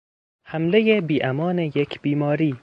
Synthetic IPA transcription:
hæmlejebiːʔæmɒːnejekʰb̥iːmɒːɾiː

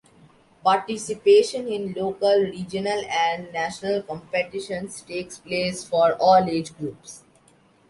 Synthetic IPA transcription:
paːɾʈɪsɪpeːʃə̃nɪ̃nloːkəlɾiːd͡ʒənəlɛ̃ɳɖnæːʃnəlkɔ̃mpeʈɪʃə̃nsʈeːkspleːsfɔːɾɔːleːd͡ʒɡɾuːps

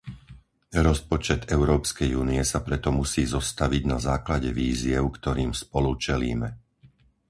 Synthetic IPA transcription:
ɾɔspɔt͡ʃɛd̪ɛʊɾɔːpskɛjuːniɛsapɾɛt̪ɔmusiːzɔst̪aʋiɟnazaːklaɟɛʋiːziɛʊkt̪ɔɾiːmspɔlut͡ʃɛlḭːmɛ

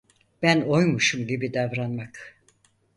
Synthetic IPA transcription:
b̥æno̞jmuʃumɟibid̪avɾanmak

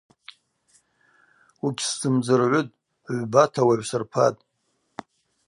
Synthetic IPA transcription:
uɡʲszɨmd͡zɨrʕʷʊtʼ | ʕʷbatʰawaʕʷsɨrpʰa̰tʼ

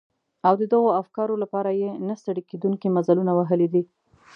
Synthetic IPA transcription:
awd̪əd̪əɣoafkɑɾolapɑɾajenast̪aɽiked̪uŋkimazalunawaɦəlid̪i

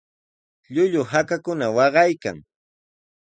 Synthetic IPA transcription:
ʎʊʎʊhakakʊnawɑɢɑjka̰ŋ

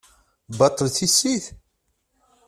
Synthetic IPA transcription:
bɑt̪ˤːəlθisːiθ

